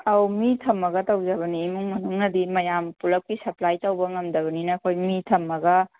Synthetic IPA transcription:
ɐwmitʰɐmːɐɡɐtɐwd͡ʒɐβɐniːmuŋmɐnuŋnɐdimɐjampulɐp̚kisɐplajtɐwbɐŋɐmdɐβɐninɐkʰojmitʰɐmːɐɡɐ

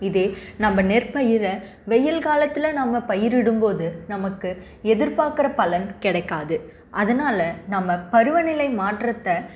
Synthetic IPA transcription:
ɪðeːnɐmbɐnɛrpɐjɪɾɐ | ʋɛjɐlkaːlɐt̪ːɪlɐnɐmɐpɐjɪɾɪɽɯmpoːðɯnɐmɐkːɯ | ɛðɪɾpaːɾkɪɾɐpɐlɐnkɪɽɐɪkːaːðɯ | ʔɐðɐnaːlɐnɐmːɐpɐɾɯʋɐnɪlɐɪmaːʈrɐt̪ːɐ

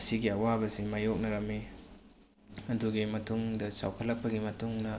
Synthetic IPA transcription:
ɐsiɡiɐwabɐzimajok̚nɐɾɐme | ɐndʰuɡimɐtʰuŋdɐsa̰wkʰɐlːɐk̚pɐɡimɐtuŋnɐ

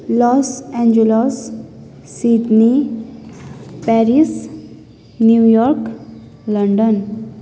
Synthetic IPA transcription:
lɔsɛ̃ɲd͡ʒulɔsː | id̪ni | pɛɾis | njujɔɾk | ləɳɖən

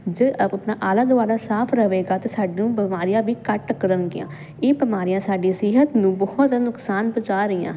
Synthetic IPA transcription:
d͡ʒeːpnaːʔaːlaːd̪ʊaːɾaːsaːpʰɾəʋeːɡaːt̪eːsaːɖnũːbəmaːɾɪjãːbiːkəʈkəɾəŋɡɪ̰jã̰ː | eːbəmaːɾijãːsaːɖiːsɪɦət̪nũːbɔɔt̪ːnʊksaːnbət͡ʃaːɾəiːã̰ː

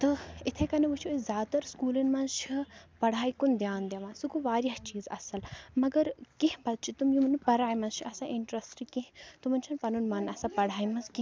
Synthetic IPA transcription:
t̪ɨit̪ʰekɐneʋut͡ʃʰiozʲaːt̪ɐɾskuːlinmɐnt͡ʃʰipɐɽaːikund̪jaːnd̪jɐʋãnsukuʋaːɾjɐht͡ʃiːzɐ̰sɐlmɐɡɐɾkiɦbɐt̪̚t͡ʃʰit̪umjumɐnipɐɾaːimɐnt͡ʃʰiʔɐsãʔiɳʈɾɐsʈɾikĩɦt̪umɐnt͡ʃʰinpɐnunmɐnɐsãpɐɽ̤ʱaːimɐnskĩ

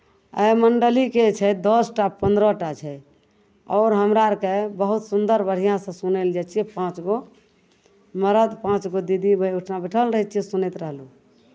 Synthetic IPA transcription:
ə̰jməɳɖəliket͡ʃʰɛd̪ɔsʈapənd̪ɾɔʈat͡ʃʰɛ | ɔːɾɦəmɾaɾkebəɦut̪sund̪əɾbəɽ̤ijãsə̃suneld͡ʒat͡ʃʰiɛpãt͡ʃɡo | məɾəd̪pãt͡ʃɡod̪id̪ibʱəuʈʰnabɛʈʰəlɾəɦɛt͡ʃʰisunɛt̪ɾəɦlu

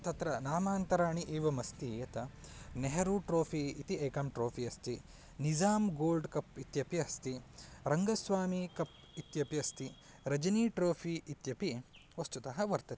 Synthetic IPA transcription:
t̪ɐt̪ɾɐnaːmaːnt̪ɐɾaːɳiʔeːʋɐmɐst̪ijɐt̪ɐneɦɐɾuʈɾoːpʰiit̪iʔeːkɐmʈɾoːpʰiɐst̪i | nid͡ʒaːmɡoːlɖkɐpit̪jɐpiɐst̪iɾɐŋɡɐsʋaːmikɐp | it̪jɐpiɐst̪i | ɾɐd͡ʒɐniːʈɾoːpʰiit̪jɐpiʋɐst̪ut̪ɐɦɐʋɐɾt̪ɐt̪i̥

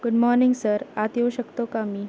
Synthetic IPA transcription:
ɡ̥uɖmɔɾniŋɡsəɾat̪jeʋəɕəkt̪okami

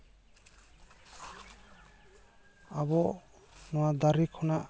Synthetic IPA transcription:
abɔ | nɔwad̪aɾikʰɔnaʔ

